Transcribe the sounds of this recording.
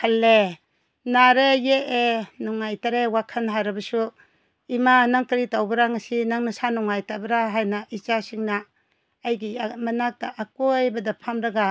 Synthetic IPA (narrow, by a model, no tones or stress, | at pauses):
halːe | naɾejeʔenɔŋːajtaɾewakʰɐnɦaɾɐbɐsu | imanaŋtɐɾitawbɐɾaŋasinaŋnɐsanɔŋːajtabɐɾaɦajnaʔit͡ʃasiŋnaː | jɡimɐnak̚taʔakojbɐdɐpʰamɾɐɡa